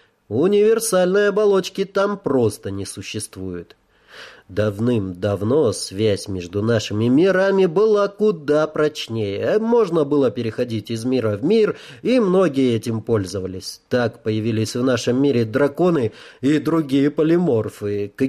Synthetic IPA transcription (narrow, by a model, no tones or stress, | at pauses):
ʊnʲɪvʲɪrsalʲnɨjəɐbɐlˠo̞t͡ɕkʲɪt̪ampɾo̞st̪ənʲɪsʊɕːɪst̪vujʊt̪ | d̪ɐvnɨmd̪ɐvno̞svʲæsʲmʲeʐd̪ʊnaʂɨmʲɪmʲɪɾamʲɪbɨlˠakʊd̪apɾɐt͡ɕnʲejəmo̞ʐnəbɨlˠəpʲɪɾʲɪxɐdʲitʲɪzmʲiɾəvmʲirimno̞ɡʲɪjəɛtʲɪmpo̞lʲzəvəlʲɪsʲt̪akpəjɪvʲilʲɪsʲvn̪aʂəmːʲiɾʲɪd̪ɾɐko̞nɨid̪ɾʊɡʲijəpəlʲɪmo̞rfɨk